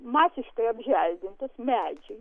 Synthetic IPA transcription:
mɑːsʲɪʃkɐɪɐbʲʒʲælʲd̪ʲɪnt̪ɐsmʲæːd͡ʒʲɛ

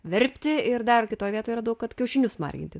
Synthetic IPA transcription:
ʋʲɛɾʲpʲt̪ʲɪɪrd̪ɐrkʲɪt̪oːjʋʲiɛt̪oːjiːɾɐd̪ɐʊkkɐt̪kʲɛʊʃʲɪnʲʊsmɑ̰rʲɡʲɪ̰nʲt̪ʲɪ

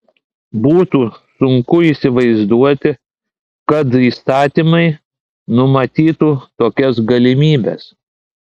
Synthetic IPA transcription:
buːt̪uːsʊŋkʊiːˑsʲɪʋɐɪzd̪uɔt̪ʲɪ | kɐt̪iːst̪ɑːt̪ʲimɐɪ | nʊmɐt̪ʲiːt̪uːt̪oːkʲɛsɡɐlʲɪmʲiːbʲɛ̰s

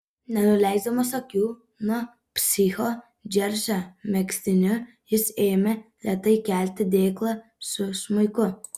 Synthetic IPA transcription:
nʲɛnʊlʲæˑɪzd̪ɐmɐsokʲuː | nuɔ | pʲsʲɪxo | d͡ʒʲɛɾʲʃʲomʲɛksʲt̪ʲɪnʲʊ | jɪseːmʲɛlʲɛt̪ɐɪkʲæˑlʲt̪ʲɪd̪ʲeːklˠɐsʊʃmɐɪkʊ

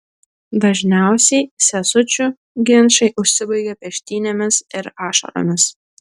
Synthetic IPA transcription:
d̪ɐʒʲnʲæˑʊsʲɛɪsʲɛsʊt͡ʃʲʊ | ɡʲɪnʃɐɪʔʊʃʲsʲɪbɐɪɡʲɛpʲɛʃʲt̪ʲiːnʲomʲɪsɪɾɑːʃɐ̰ɾo̰mʲɪs

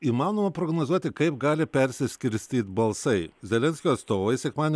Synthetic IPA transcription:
iːmɑːnoːmɐpɾoːɡnoːzuɔt̪ʲɪkɐɪp̚ɡɑːlʲɪpʲɛɾʲsʲɪsʲkʲɪɾʲsʲt̪ʲiːt̪bɐlˠsɐɪzʲɛlʲɛnʲsʲkʲoːɐt̪st̪oːʋɐɪsʲɛkmɑːnʲ

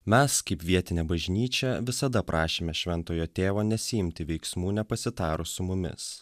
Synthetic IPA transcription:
mʲɛskɐɪpʋʲiɛt̪ʲɪnʲɛbɐʒʲnʲiːt͡ʃʲɛʋʲɪsɐd̪ɐpɾʔɑːʃʲeːmʲɛʃʲʋʲɛnt̪oːjoːt̪ʲeːʋoːnʲɛsʲɪjɪmʲt̪ʲɪʋʲɛɪksmuːnʲɛpɐsʲɪt̪ɑːɾʊsʊmʊmʲɪ̰s

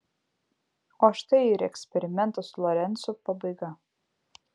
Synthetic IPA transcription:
oːʃt̪ɐɪiɾɛksʲpʲɛɾʲɪmʲɛnt̪ɐslˠɔɾʲɛnˑt̪sɔpɐbɐɪɡɐ

